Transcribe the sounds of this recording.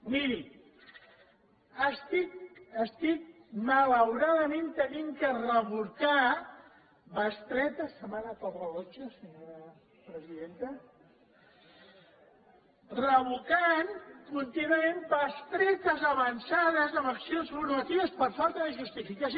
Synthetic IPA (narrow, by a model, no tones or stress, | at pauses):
miɾi | əst̪ikəst̪ik̚malawɾaðəmẽnt̪əniŋkərəβuka | bast̪ɾɛt̪əsəmanatorəɣot͡ʃosəɲoɾa | pɾəziðent̪ə | rəβukankunt̪inuamenbast̪ɾɛt̪əzaβɐnsaðəzamɐksionsfuɾmat̪iβəspəɾfalˠt̪əðəʒust̪ifikas